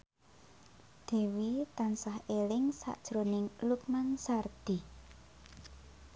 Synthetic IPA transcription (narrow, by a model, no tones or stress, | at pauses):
d̪̥e̤wit̪ansahelɪŋsa̰ʔd̥ʒ̥ɾo̤nɪŋluk̚mansard̪̥i̤